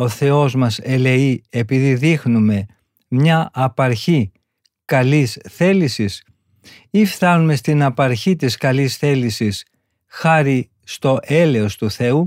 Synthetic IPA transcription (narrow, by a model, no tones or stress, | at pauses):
o̞θe̞o̞zmɐse̞le̞iepiðiðixnume̞ | mɲɐɐpɐɾçi | kɐlisθe̞lisis | ifθɐnume̞st̪inɐpɐɾçit̪iskɐlisθe̞lisis | xɐɾi | st̪o̞ʔe̞le̞o̞st̪uθe̞u